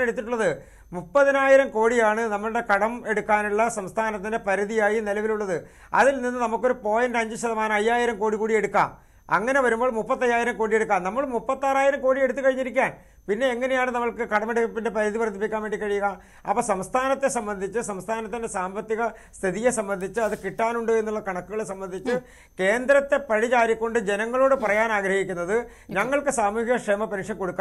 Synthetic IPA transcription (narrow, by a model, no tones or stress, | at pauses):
eɽut̪ːiʈ̬ːuɭːɐðɨ | mupːɐðinaːjiɾɐmko̞ːɽijaːɳɨnɐmːɐɭɨɽe̞kɐɽɐme̞ɽukːaːnuɭːɐsɐmst̪ʰaːnɐt̪̬ːinde̞pɐɾuðijaːjinelɐʋiluɭːɐðɨ | ɐ̰ðilninːɨnɐmukːoɾupo̞ːjɐndeɐɲd͡ʑɨɕɐðɐmaːnɐmɐjːaːjiɾɐmkoːɽikːuːɽije̞ɽukːa̰ːm | ɐ̰ŋːɐne̞ʋɐɾumbo̞ːɭmupːɐt̪ːɐjːaːjiɾɐmkoːɽijeɽuk̬ːaːmnɐmːɐɭmupːɐt̪ːaːraːjiɾɐmko̞ːɽieɽut̪ːɨkɐɻiɲːiɾikʲːaːn | pinːe̞ːŋːɐne̞jaːɳɨnɐmːɐɭkɨkɐɽɐmeɽukːɐpːinde̞pɐɾiðipɐrt̪ːipːikʲːaːnʋe̞ːɳɖikɐɻijuɣɐ | ɐ̰pːoːsɐmst̪ʰaːnɐt̪ːe̞sɐmbɐnd̪ʱit͡ɕːɨsɐmst̪ʰaːnɐt̪ːindesaːmbɐt̪ːiɣɐ | st̪ʰiðije̞sɐmbɐnd̪ʱit͡ɕːɨɐðɨkiʈːaːnuɳɖɨe̞nːuɭːɐkɐɳɐkːuɣɐɭesɐmbɐnd̪ʱit͡ɕːɨ | ke̞ːnd̪ɾɐt̪ːe̞pɐɻit͡ɕaːɾikʲːo̞ɳɖɨd͡ʑenɐŋːɐɭo̞ːɽɨpɐrɐjaːnaːɡɾɐhikʲːunːɐðɨ | ɲɐŋːɐɭkɨsaːmuːhiɣɐkʂeːmɐpenʂɐmko̞ɽukːa